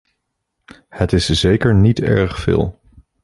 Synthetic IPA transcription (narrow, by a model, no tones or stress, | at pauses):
hətɪszejkəɹnitɛ̰ɹχfɪ̰ːlˠ